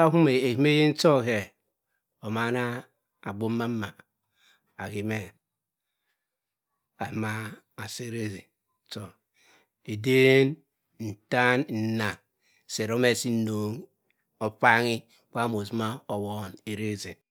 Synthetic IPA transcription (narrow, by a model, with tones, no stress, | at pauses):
a˦hu˦me˨e˨hi˦me˦je˦n̩˦to˦ke˨ | o˨ma˦na˦ | a˨ɡ͡bo˦mːa˦m˦ma˨ | a˨ki˨me˦ | a˨ma˦ | a˨se˦ɾe˦zi˨ | to˨ | e˨de˦n | n̩˨ta˦nn̩˨na˨ŋ˨ | se˨ɾo˦me˦˨si˦no˨ŋ | o˦fa˦ŋi˦ | k͡pa˦mo˨zma˦o˨wo˨˦˨ne˨ɾe˦zi˨